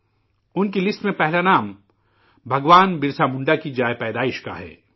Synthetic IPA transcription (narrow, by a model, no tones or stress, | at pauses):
ʊnkilɪsʈmẽpɛɦlanaːm | bʱɐɡʋaːnbɪɾsamʊ̃ɳɖakid͡ʒaːjpɛːd̪aːɪʃka̰ɦɛ̰ː